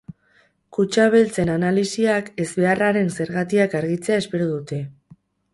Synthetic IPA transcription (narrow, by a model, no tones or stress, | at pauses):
kut͡ʃaβ̞e̞lt͡se̞nanalisiake̞zβe̞araɾe̞nse̞ɾɣat̪iakaɾɣit͡se̞ae̞spe̞ɾoðut̪e̞